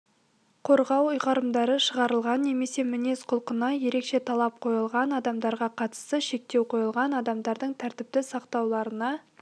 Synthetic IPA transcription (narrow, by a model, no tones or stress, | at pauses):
qʰo̞ɾʁɑwʊjʁɑɾəmd̪ɑɾəʃəʁɑɾəlˠʁɑnːe̞me̞se̞mɪne̞sqʰʊlˠqənɑje̞ɾe̞kʃe̞t̪ʰɑlˠɑp̚qʰo̞jəlˠʁɑnɑd̪ɑmd̪ɑɾʁɑqʰɑt̪ə̥st̪əʃe̞k̚t̪e̞wqʰo̞jəlˠʁɑnɑd̪ɑmd̪ɑɾd̪əɴt̪ʰæɾt̪ɪp̚t̪ɪsɑqt̪ɑwlˠɑɾənɑ